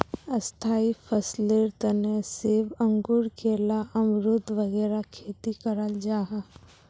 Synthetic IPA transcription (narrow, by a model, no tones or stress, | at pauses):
əst̪ʰaːipʰəsleɾt̪ənesɪbə̃ŋɡʊɾkʰeːlaʔəmɾʊd̪ʋəɣɛːɾakʰeːt̪ikəɾəld͡ʒaːɦa